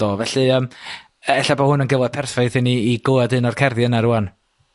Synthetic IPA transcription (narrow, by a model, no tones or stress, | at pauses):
ɔvɛɬɨəm | ɛɬabɔhʊnənɡəvˠɔð̥̚pʰɛrfajθɪniːɡoadɨnɔrkʰɛrðjənaɾuan